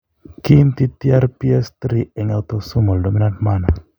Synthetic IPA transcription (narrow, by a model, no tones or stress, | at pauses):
kimt̪it̪iarpiəst̪ɾiʔɪŋalt̪osumɔldominat̪̚mana